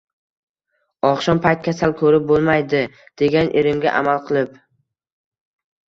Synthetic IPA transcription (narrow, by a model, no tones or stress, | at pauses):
ɒqʃɒnpʰajt̪̚kʲʰasalˠkʰɵɾɪp̚bolˠmajd̪ɪ | d̪̥e̞ɡʲanʔeɾɪmɡʲa̰ʔa̰malˠqʰɨlˠɪp